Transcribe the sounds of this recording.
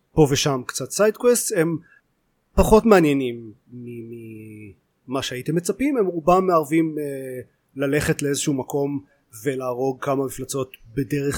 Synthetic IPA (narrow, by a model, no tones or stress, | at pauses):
po̞veʃamkt͡satsajdkweste̞m | paχo̞tmeanjenimː | imi | maʃeaitemːet͡sapime̞mʁubammːeaʁvime | lale̞χetleezeʃuumako̞m | ve̞laːʁo̞ɡ̚kamamiflat͡so̞tbe̞deʁeχ